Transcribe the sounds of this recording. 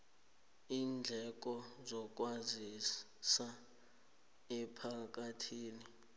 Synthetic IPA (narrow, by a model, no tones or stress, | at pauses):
iːnd͡ɮʱɛk̬ɔzɔk̬ʼwazi | sa | ɛpʰak̬atʰiːni